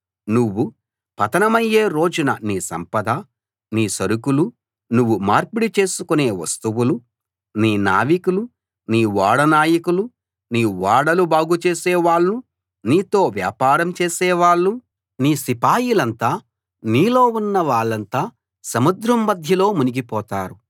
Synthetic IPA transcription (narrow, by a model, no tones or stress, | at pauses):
nuʋːu | pɐt̪ɐnɐmɐjːeːɾo̞ːd͡ʒunɐniːsɐ̰mpɐd̪ɐ | niːsɐɾukulu | nuʋːumaːɾpuɽit͡ʃe̞ːsukune̞ːʋɐ̰st̪uwulu | niːna̰ːʋikulu | niːʋaːɽɐnaːjɐkulu | niːʋaːɽɐlubaːɡut͡ʃeːsɛːʋaːɭːu | niːt̪o̞ːʋja̰ːpaːɾɐmt͡ʃeːsɛːʋaːɭːu | niːsipaːjilɐnt̪aː | niːlo̞ːunːɐʋaːɭːɐnt̪aː | sɐmud̪ɾɐmːɐd̪ʱjɐlo̞ːmuniɡipɔːt̪aːɾu